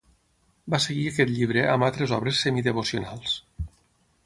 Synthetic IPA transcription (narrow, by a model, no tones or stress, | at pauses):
baseɣiəkɛt̪ʎiβ̞ɾeʔəmbalˠt̪ɾezɔβɾesːemiðeβosionalˠs